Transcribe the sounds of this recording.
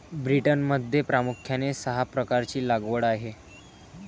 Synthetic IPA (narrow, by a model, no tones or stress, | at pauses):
bɾiʈənməd̪ʱːjepɾamukʰjanesəɦapɾəkaɾt͡ɕiːlaɡʋəɽaɦe